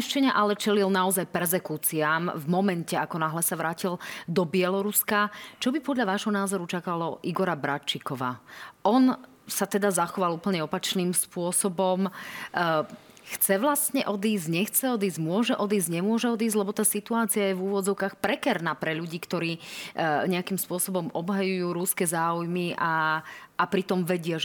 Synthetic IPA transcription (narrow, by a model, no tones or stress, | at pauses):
ʃt͡ʃɛɲaʔalɛt͡ʃɛlilnaɔzajpɛɾzɛkut͡siamvmɔmɛncɛakɔnaɦlɛsaʋɾaːcild̪ɔbɪɛlɔɾuskat͡ʃɔbipɔd̪ʎaʋaːʒɦɔnaːzɔɾut͡ʃakalɔʔiɡɔɾabɾat͡ʃikɔʋa̰ːʔɔn | sat̪ɛd̪azaxɔʋaluːpl̩ɲɛɔpat͡ʃniːmspʊɔsɔbɔm | xt͡sɛʋlast̪ɲɛʔɔd̪iːzɲɛxt͡sɛɔd̪iːzɟmʊɔʒɛʔɔd̪iːzɟɲɛmʊɔʒɛɔd̪iːzlɛbɔt̪aːsit̪uaːt͡siajɛvuːʋɔd͡zɔʊkaːxpɾɛkɛɾnaːpɾɛʎuɟiːkt̪ɔɾiː | ɲɛakimspʊɔsɔbɔmɔbɦajujuːɾuskɛzaːujmiʔaː | pɾit̪ɔmʋɛɟɪaʒ